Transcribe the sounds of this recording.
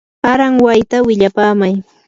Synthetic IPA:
aɾaŋwajt̪awɪʎapaːmaj

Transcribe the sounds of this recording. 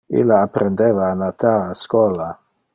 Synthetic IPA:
ḭlːaːpːɾend̪evaːnat̪aaskɔla

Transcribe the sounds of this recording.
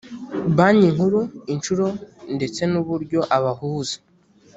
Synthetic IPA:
βaɲiŋhuɾuint͡ʃuɾo̞nde̞t͡se̞nuβuɾɟo̞ʔaβahuːzḁ

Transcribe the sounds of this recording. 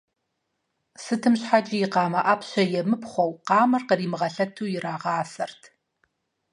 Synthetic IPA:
sɨtʰɨmɕħad͡ʒijɪqɑːmɐʔapɕɐjɛmɨpχʷɔwqɑːmɐrqəriːmɨʁɐɬɐtʰuːjɪraːʁɑːsɐrtʰ

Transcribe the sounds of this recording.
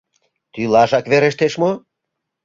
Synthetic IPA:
t̪ylɑʒɑkβeɾeʃt̪eʃmo

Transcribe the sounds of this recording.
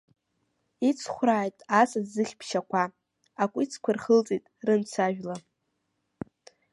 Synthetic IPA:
it͡sʰχʷraːjtʼasazzɨχʲpʰʃakʷʰa | akʷʼit͡sʰkʷʰarχəlt͡sʼitʼrɨmt͡sʰaʒᶣla

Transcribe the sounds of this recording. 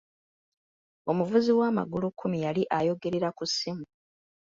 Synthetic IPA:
o̞muvuziwaːma̰ɡulukʰːumijaliʔajo̞ɡe̞ɾeɾakusimu

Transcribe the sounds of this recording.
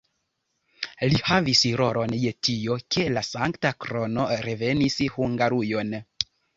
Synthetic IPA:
lihavisiɾo̞ɾo̞nje̞tijo̞ke̞lasaŋktakɾo̞no̞ɾe̞ve̞nishuŋɡaɾujo̞n

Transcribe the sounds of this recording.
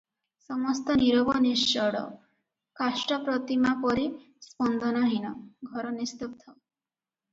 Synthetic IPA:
sɔmɔst̪ɔniɾɔbɔnist͡ʃɔɽɔ̰ | kasʈɔpɾɔt̪imapɔɾi | spɔnd̪ʱɔnaɦinɔɡʱɔɾɔnist̪upt̪ʰːɔ

